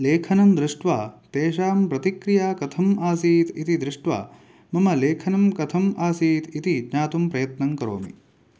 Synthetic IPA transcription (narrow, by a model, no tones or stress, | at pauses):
leːkʰɐnɐmd̪ɾɪʂʈʋaːt̪eːʃaːmpɾɐt̪ikɾijaːkɐt̪ʰɐmaːsiːt̪ʰit̪id̪ɾɪʂʈʋa̰ː | mɐmɐleːkʰɐnɐmkɐt̪ʰɐmaːsiːt̪ʰit̪id͡ʒɲaːt̪umpɾɐjɐt̪nɐŋkɐɾo̰ːmḭ